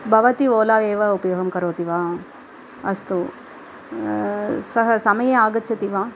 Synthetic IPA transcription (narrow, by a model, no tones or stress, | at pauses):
bʱɐʋɐt̪ioːlaːʋeːʋɐupɐjoːɡɐmkɐɾoːt̪iʋaː | ɐst̪u | sɐɦɐsɐmɐjeaːɡɐt͡ʃːt͡ʃɐt̪iʋaː